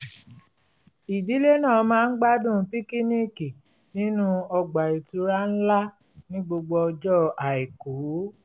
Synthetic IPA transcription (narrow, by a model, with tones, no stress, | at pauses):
i˨di˨˦le˦nãː˦˨˧mãː˦˧n̩˦ɡ͡ba˦dũ˦˨˦pi˦ki˦ni˦ki˨ | nĩ˦nũ˦ɔ˧ɡ͡ba˨i˨tu˧˦ɾa˦n̩˦la˦ | nĩ˦ɡ͡bo˧ɡ͡bɔ˧ɔ˧d͡ʒɔ˦a˨i˨ko˨˦